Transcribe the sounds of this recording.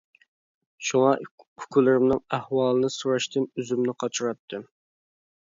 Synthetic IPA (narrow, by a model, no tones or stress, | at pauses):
ʃuŋɑ | ʊkʲʰulɪɾɪmnɨŋæhwɑːlˠɨnɨsuɾɑʃt̪ʰɨnyzymnɪqʰɑt͡ʃʰuɾɑt̪ʰːɨ